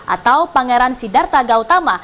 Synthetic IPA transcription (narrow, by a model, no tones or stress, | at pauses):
ʔa̰t̪awpaŋɛɾansidart̪aɡaut̪ama